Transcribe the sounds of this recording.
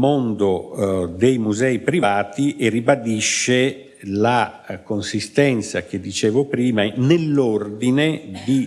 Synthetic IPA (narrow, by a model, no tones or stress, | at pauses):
mond̪od̪ejmuzɛipɾivaːt̪iʔeribad̪iʃːe | lakonsist̪ɛnt̪sak̟ed̪ːit͡ʃɛːvopɾiːmanelːord̪ined̪i